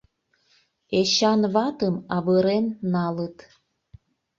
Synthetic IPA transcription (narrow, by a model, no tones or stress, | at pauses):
eɕɑnβɑt̪əmɑβəɾenːɑlət̪